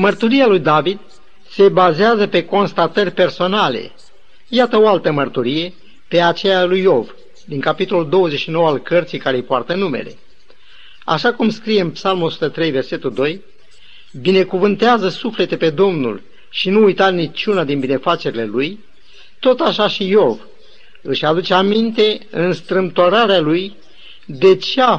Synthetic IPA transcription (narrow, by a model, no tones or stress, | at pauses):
mərt̪uɾijalujd̪avid̪ | se̞bazeazəpe̞ko̞nst̪at̪ərʲpe̞rso̞nale̞̰ | jat̪əoalt̪əmərt̪uɾije̞ | pe̞at͡ʃejalujo̞v | d̪iŋkapit̪o̞luld̪o̞wəze̞ʃino̞wəalkərt̪sijkaɾejpoart̪ənume̞̰le̞̰ | a̰ʃakumskɾije̞ɨnpsalmuo̞su̥t̪ət̪ɾe̞jve̞rse̞t̪ud̪o̞j | bine̞kuvɨnt̪eazəsufle̞t̪e̞pe̞d̪o̞mnṵl | ʃinuːjt̪at̪nit͡ʃunad̪inbine̞fat͡ʃe̞ɾile̞luj | t̪o̞t̪aʃaʃijo̞v | ɨʃʲad̪ut͡ʃeamint̪e̞ɨnst̪ɾɨmt̪oɾaɾealuj | d̪e̞t͡ʃea